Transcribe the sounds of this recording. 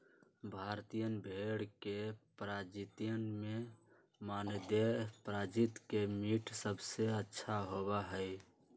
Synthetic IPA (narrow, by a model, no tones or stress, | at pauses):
bʱaɾt̪ijənbʱeɽkepɾad͡ʒit̪ijənme | mand̪epɾad͡ʒit̪kemiʈʰsəbʱseətːʃʰaɦoβaɦəj